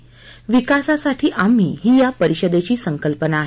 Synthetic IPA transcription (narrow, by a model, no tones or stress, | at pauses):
ʋikasasaʈʰiːʔam̤ḭːɦiːjapəɾiɕəd̪et͡ɕiːsəŋkəlpənaːɦ